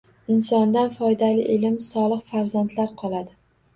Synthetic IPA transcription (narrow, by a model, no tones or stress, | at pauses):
ɪnsɒnd̪anfɒjd̪alɪʔelɪmsɒlˠɨqfaɾzant̪laɾqʰɒlˠad̪ɪ